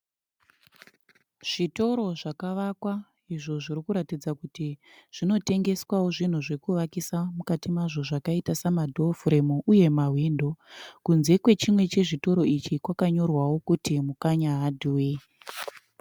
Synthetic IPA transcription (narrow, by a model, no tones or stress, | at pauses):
ʐ̥ito̞ɾo̞ʐakaʋakwa | iʐo̞ʐiɾikuɾatid͡zakuti | ʐ̥ino̞te̞ŋɡe̞swawo̞ʐin̤uʐe̞kuʋakisamukatimaʐo̞ʐakaitasamadʱofɾe̞muʔuje̞maɦwiːndo̞kunze̞kwe̞t͡ʃimwe̞t͡ʃe̞ʐito̞ɾo̞it͡ʃikwakaɲo̞rwawo̞kutimukaɲaɦadʱuwe